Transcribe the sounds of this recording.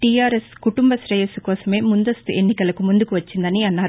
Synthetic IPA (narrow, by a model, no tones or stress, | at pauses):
ʈiaːɾɛskʊʈʊmbɐsɾɐjɐsɯkːʋɐsɐmeːmʊnd̪ɐst̪ɯʔɛnːɪkːɐɭɯkːɯmʊnd̪ɯkːɯʋɐt͡ʃːɯnd̪ɐniɐnːaːɾ